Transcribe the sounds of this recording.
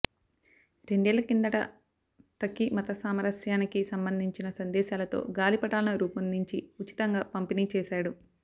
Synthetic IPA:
ɾe̞ɳɖɛːlɐkind̪ɐʈɐ̰ | t̪ɐkːimɐt̪ɐsaːmɐɾɐsjaːnikisɐmbɐnd̪ʱiɲt͡ʃinɐsɐnd̪ɛːʃaːlɐt̪o̞̰ːɡaːlipɐʈaːlɐnɐɾuːpɐnd̪ʱiɲt͡ʃiut͡ʃi̥t̪ɐŋɡaːpɐmpiniːt͡ʃɛːʃaːɽu

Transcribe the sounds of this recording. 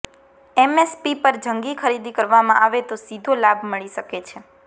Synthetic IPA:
ɛmespipəɾd͡ʒəŋɡikʰəɾid̪ikəɾʋamãʔaʋet̪osid̪ʱolabʱməɭiʃəket͡ʃʰe

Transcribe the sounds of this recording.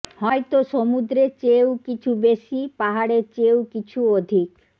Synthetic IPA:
hɔet̪oʃomud̪ɾet͡ɕewkit͡ɕʰubeʃipaɦaɽet͡ɕewkit͡ɕʰuod̪ʱik

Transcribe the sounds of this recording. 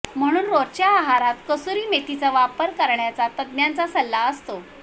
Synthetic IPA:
m̤əɽ̃uːnɾoɾt͡ɕjaːɦaɾat̪kəsuɾiːmeʈ̪it͡saʋapəɾkəɾɳjat͡sat̪əd̪njant͡sasəlːaəst̪o

